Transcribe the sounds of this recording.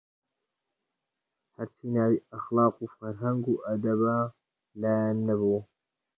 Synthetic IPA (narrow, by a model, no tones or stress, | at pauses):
hɐɾt͡ʃʰiːnaːwiːɐxlɑːqufɐɾɦɐŋɡuːʔɐd̪ɐba | laːjanːɐβuː